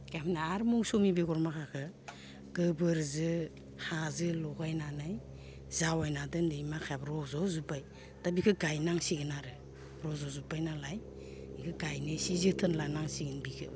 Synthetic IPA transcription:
ɡ̥amʰnaaɾmuŋsomibeɡɔɾmakʰakʰɯ | ɡ̥ɯbɯɾzɯ | hazɯlɔɡajnanaj | zawajnadɯndɯjmakʰajabɾɔzɔzupaj | tabikʰɯɡajnaŋsiɡɯnaɾɯ | ɾɔzɔzupajnalaj | ikʰɯɡajnɯsizɯtʰɯnlanaŋsiɡɯnbikʰɯ̰

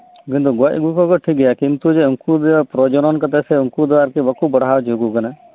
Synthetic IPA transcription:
kĩnt̪uɡɔc̚ɡukɔkɔʈʰik̚ɡɛjakint̪ud͡ʒeuŋkud̪ɛpɾɔd͡ʒɔnɔnkat̪ɛsɛuŋkud̪ɛwaɾkibɔkubɔɽawd͡ʒoɡukana

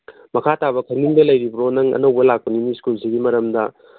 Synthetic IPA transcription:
mɐkʰataβɐkʰɐɾniŋdɐlɐjɾibɐɾonɐŋɐ̰nɐwbɐlak̚pɐniniskulsiɡimɐɾɐmdɐ

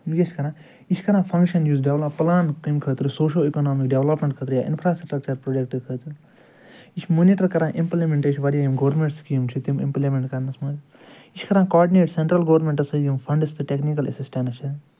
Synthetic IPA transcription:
jet͡ʃkɐɾãː | it͡ʃʰkɐɾãːpʰɐ̃ŋkʃɐnjuːzɖeʋlɐpːlaːnkimkʰət̪ɾɨsoːʃ̬oːikonaːmikɖeʋlɐpmẽɳʈkʰəːt̪ɾɨja̰ːʔɪ̰npʰɾaːsʈʈɾɐk̚t͡ʃɐɾpɾoːd͡ʒek̚ʈɨkʰət̪ɨ | it͡ʃʰmoniʈɐɾkɐɾãːʔimplimẽɳʈet͡ʃʰʲʋɐɾijajimɡɐʋɾmẽɳʈskiːmt͡ʃʰit̪imḭ̃mplimẽɳʈkɐɾnɐsmɐz | it͡ʃʰkɐɾãːkɔːɾɖineːʈseɳʈɾɐlɡɐʋɾmẽɳʈɐsɐjimpʰɐ̃ɳɖist̪ɨʈeknikɐlesisʈenɐt͡ʃʰi

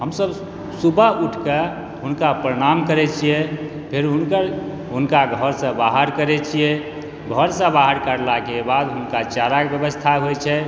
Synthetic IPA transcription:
ɦəmsəb | subʱəɦuʈʰke | ɦunkapɾəɽ̃amkəɾɛt͡ʃʰijɛ | pʰeɾɦunkəɾ | ɦunkaɡʱəɾsə̃baɦəɾkəɾɛt͡ʃʰijɛ | ɡʱəɾsə̃baɦəɾkəɾlakebad̪ɦunkat͡ʃaɾakbjəbəst̪ʰaɦojt͡ʃʰɛ

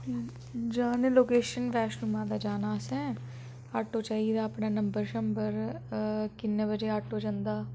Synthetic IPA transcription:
d͡ʒaːnẽːloːkeːʃənʋɛːʃnʊmãːd̪aːd͡ʒaːnaːsɛ̃ː | aʈoːt͡ʃaːiːd̪aːəpnaːnəmbəɾʃəmbəɾ | kɪnːẽːbəd͡ʒeːaʈoːd͡ʒãnd̪aː

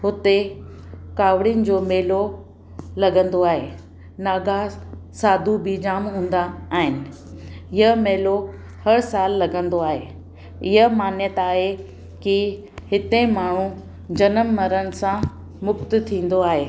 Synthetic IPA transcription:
ɦʊt̪e | kaːʋɽiənɪ̆d͡ʑoːmeːlo | lɐɡə̃nd̪oaːɦeː | naːɡasaːd̪ʱubid͡ʑaːmɦũːnd̪aːɦɪnɪ̆ | ɪɦəmeːlo | hɐɾsaːlːɐɡə̃nd̪oaːɦe | ɪɦəmaːnjət̪aːɦe | ki | hɪt̪ẽmaːɳ̤u | d͡ʑɐnəmːɐɾənɪ̆sã | mʊkt̪t̪ʰĩːn̆d̪oaːɦeː

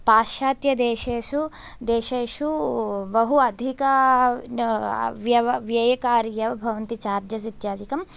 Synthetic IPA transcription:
paːʃaːt̪jɐd̪eːʃeːʃu | d̪eːʃeːʃubɐɦuɐd̪ʱikɐ | ʋjɐɐʋjɐjɐkaːɾijɐʋɐbʱɐʋɐnt̪it͡ʃaːɾd͡ʒjɐs̬it̪jaːd̪ʱikɐm

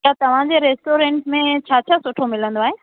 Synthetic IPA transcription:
at̪ɐʋ̤ãd͡ʑeɾeːsʈoːɾẽːɳʈmẽt͡ɕʰaːt͡ɕʰasʊʈʰomɪlə̃nd̪oaːɦeː

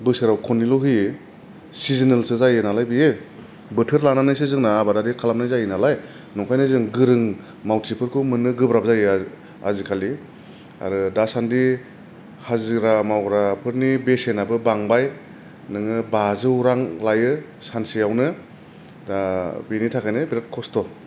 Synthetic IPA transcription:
bɯsɯɾawkʰɔnilɔwɦi | sizinelsɯzajɯnalajbije | bɯtʰɯɾlananajs̬ɯzɯŋnaːbadaɾikʰalam̚najzajɯnalaj | nɔŋkʰajnɯzɯŋɡɯɾɯŋ | mawtʰipʰɯɾkʰɯmɯnɯɡɯbɾap̚zajɯ | a̰zikʰali | a̰ɾɯdasandi | hazɯɾamawɾapʰɯɾnibesenabɯbaŋbaj | nɯŋɯbazɯwɾaŋlajɯ | sansijawnɯ | dabinitʰakʰajnɯbiɾat̚kʰɔstɔ

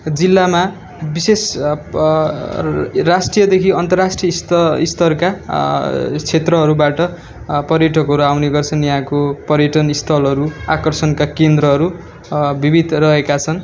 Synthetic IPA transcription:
d͡zilːama | bises | rasʈrijʌd̪ekʰiʌnt̪ʌrasʈrijʌisʌist̪ʰʌrka | t͡sʰet̪rʌɦʌɾubaʈʌ | pʌrjʌʈʰʌkɦʌɾuawneɡʌrt͡sʰʌnjaɦãkopʌɾjʌʈʌnist̪ʰʌlʌɾuakʌrsʌnkakend̪rʌɦʌɾu | bibid̪ʱrʌɦekat͡sʰʌn

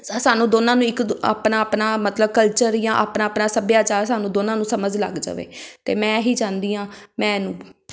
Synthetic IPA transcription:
saːnũːd̪oːnãːnũːɪka̰ːpnaːəpnaːmət̪ləb̚kəlt͡ʃəɾjãːʔaːpnaːəpnaːsəbjaːt͡ʃaːɾsaːnũːd̪oːnãːnũːsəməd͡ʒlə̰ɡd͡ʒa̰ːʋḛːt̪ḛːmɛ̃ːɦiːd͡ʒãːnd̪iːãːmɛ̃ːnũː

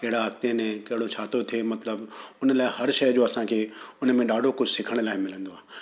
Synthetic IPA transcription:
kɐɦɪɽaɐkt̪enẽkɐɦɪɽot͡ɕʰaːt̪ʰot̪ʰiemɐt̪ləbʊnəlaːɪɦɐɾʃɐjd͡ʑoːɐsãkʰeːʊnmẽɖaːɖʱokʊd͡ʑʱsɪkʰəɽ̃laːɪmɪlə̃nd̪oaː

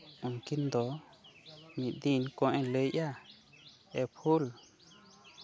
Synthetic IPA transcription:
unkind̪o | mĩd̪inkõʔẽləʔja | epʰul

